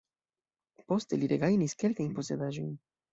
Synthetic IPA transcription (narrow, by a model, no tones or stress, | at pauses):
po̞ste̞liɾeɡajniske̞lkajnpo̞se̞d̪aʒo̞jn